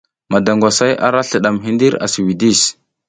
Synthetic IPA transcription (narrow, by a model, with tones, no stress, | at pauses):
ma˨da˨ŋɡʷwa˨sa˦jʔa̰˦ɾa˦ɬə˨ɗa˨mɦi˦ndi˦ɾa̰˨si˨wi˨di˦˨s